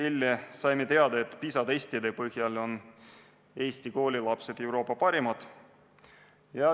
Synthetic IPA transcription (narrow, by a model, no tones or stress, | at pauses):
ilʲːesɑjmet̪e̞ɑd̪ɑet̪ːˑpisɑd̪esʲt̪id̪epɤhjɑlo̞n | e̞ːsʲt̪iko̞ːlʲilɑpse̞d̪̥e̞wɾo̞ːpˑːɑpɑɾimɑd̪̥ | jɑ